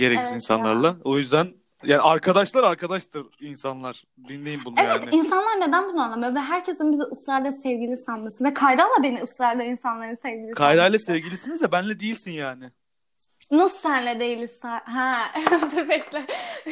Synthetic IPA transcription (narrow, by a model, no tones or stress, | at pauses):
ɟe̞ɾɛcsininsa̰nlˠa̰ɾlˠao̞jyzd̪æn | jaːniaɾkʰad̪aʃlˠaɾaɾkʰad̪aʃt̪ɯɾinsanlˠaɾ̥ | d̪inlʲejimbunejavɛnt̪ɪinsanlˠaɾne̞d̪ænbunuanlˠamɯjovɛɦæɾcʰe̞sinbiziɯsɾajlʲɛsɛvɟilʲisanmɯsɯnvɛkʰajɾaːlˠabe̞niɯsɾajlʲd̪ʲɛinsanlˠaɾɯnsevɟilʲikʰajd̪aːjlʲˠɛsevɟilʲisinizjɛbænlʲɛd̪ejilʲsinjaːnɪ | nassænlʲɛd̪ejilʲisɛɦɛ̃t̪ʰypɛclʲɪ